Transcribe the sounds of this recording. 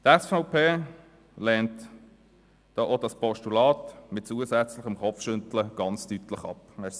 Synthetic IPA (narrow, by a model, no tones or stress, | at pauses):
tɛsfaʊpʰeː | lɛːnt | d̥oːʔodɑspɔʃtulɑːtmɪt̚t͡suəsɛt͡slɪχəmχɔfʃʏnt̪ləɡ̥ɑnt͡styt̪ləχɑ̰pɛ